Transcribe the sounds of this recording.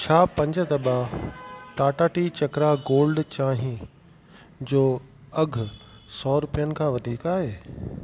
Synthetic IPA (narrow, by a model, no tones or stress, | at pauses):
t͡ɕʰaːpɐ̃ɲd͡ʑə̆d̪ɐba | ʈaːʈaːʈit͡ɕɐkɾaɡoːlɖt͡ɕaːɦĩ | d͡ʑoː | ɐɡʱʊ | sɔːɾʊpijənɪ̆kʰãːʋɐd̪ʱiːkaːɦeː